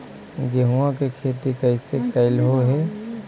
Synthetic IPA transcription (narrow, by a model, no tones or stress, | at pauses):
ɡeɦuãkekʰeːt̪ikɐɪsekɐɪlɦoɦɛː